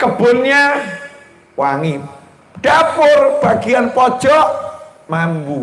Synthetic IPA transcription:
kəb̥ʊ̤nɲa | waŋi | ɖ̥apʊrb̥a̤ɡ̥ianpɔd̥ʒ̥ɔʔ | mambu

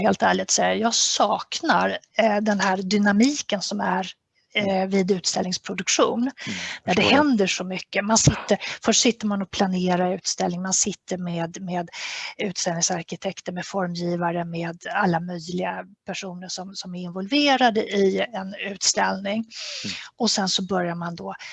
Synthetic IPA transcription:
heːlt̪æːɭɪɡt̪sɛjːəjɑːɡsɑːknaɾd̪ɛnɦæɾd̪ʏnamiːkənsɔmæɾ | vɪd̪ʉ̟ːt̪st̪ɛlnɪŋspʰɾʊd̪ɵkʂṵːnd̪æɖɛhɛnd̪əʂɔmʏkːəmansɪt̪ːəɾfœʂʈsɪt̪ːəɾmanɔpʰlaneːɾaʉ̟ːt̪st̪ɛlɪŋmansɪt̪ːəɾmeːd̪meːd̪ʉ̟ːt̪st̪ɛlnɪŋsaɾkɪt̪ʰɛkt̪əmɛd̪fɔɾmjiːvaɾəmeːd̪alːamœjlɪɡapʰæʂuːnəʂɔmsɔmæɾɪnvɔlveːɾad̪əʔɪɛnʉ̟ːt̪st̪ɛlnɪŋ | ɔsɛnsɔbœɾjaɾmand̪ɔ

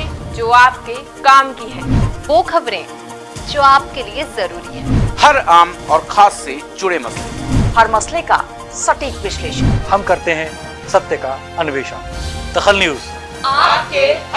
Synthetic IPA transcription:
d͡ʒoːaːp̚ke | kaːmkiɦɛ̃ːʋoːkʰɐbɾẽː | d͡ʒoːaːp̚keliezɐɾuːɾiɦɛ̃hɐɾaːmɔːɾxʰaːsːed͡ʒʊɽemɐslehɐɾmɐsleka̰ | sɐʈiːkʋɪʃleːʃənhɐmkɐɾt̪eɦɛ̃ | sɐt̪jəka | ɐnʋeːʃa̰ | d̪̥ɐxəlnjuːz | aːpke

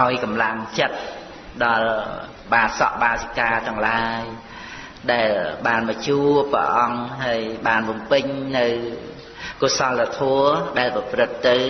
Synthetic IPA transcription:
ʔaɔjkɑmlaŋt͡ɕət̪̚ | ɗɑl | ɓaːt̪sɑ̰ʔɓaːsikaːt̪ɛ̆əŋlaəj | ɗaɛlɓaːnmat͡ɕuːprə̰ʔɑŋɦaəjɓaːnʋʊmpɨɲnɨw | kosɑlːat̪ʰɔəɗaɛlprɑprɨt̪ːɨw

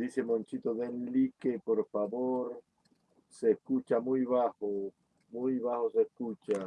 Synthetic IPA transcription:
d̪isemõnt͡ʃit̪oðenlikepoɾfaβoɾ | seskut͡ʃamujβaxo | mujβahosehkut͡ʃa

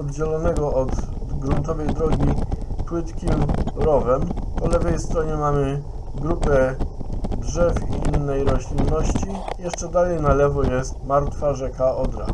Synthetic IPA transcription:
ɔd̪d͡ʑɛlɔnɛɡɔɔd̪ɡɾunt̪ɔvɛjd̪ɾɔɡʲipwɘt̪kʲimɾɔvɛmpɔlɛvɛjst̪ɾɔɲɛmamɘ | ɡɾupɛ | dʐɛfiinːɛjɾɔɕlʲinːɔɕt͡ɕijɛʂt͡ʂɛd̪alɛjnalɛvɔjɛst̪maɾt̪faʐɛkaɔd̪ɾa̰

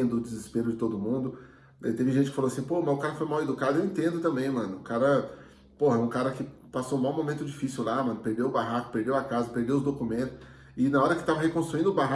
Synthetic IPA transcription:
d̪ʊːd͡ʒɪzɪspeɾʊd͡ʒɪt̪od̪ʊmũnd̪ʊ | ɛt̪evɪʒẽt͡ʃɪkɪfaloasĩpohmɐ̃zʊkaɾɐfojmawed̪ukad̪ʊewẽnt̪ẽnd̪ʊt̪ɐ̃mbẽj̃mɐ̃nʊʊkaɾɐ | poɦɐɛũkaɾɐkɪ | pasow̃maw̃momẽnt̪ʊd͡ʒifisiuwlamɐ̃nʊpeɾd̪ewʊbaɦakʊ̥peɾd̪ewɐkazɐpeɾd̪ewʊzd̪okumẽnt̪ʊ̥s | ɪnaɔɾɐkɪ̥t̪avɐɦekõst̪ɾuĩnd̪ʊbaɦ

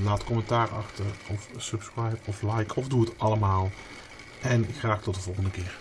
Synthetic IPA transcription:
laːtkɔmɛntaːrɑxtəɹɔfsɵpskrajpɔflɑjkʰɔvduətɑləmaːlˠ | ʔɛnɪxraːktɔt̚dəvɔlˠχəndəkɪːɹ

